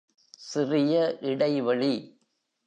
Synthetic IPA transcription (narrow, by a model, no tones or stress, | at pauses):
sɪrɪjɐʔɪɽɐɪʋɐɭi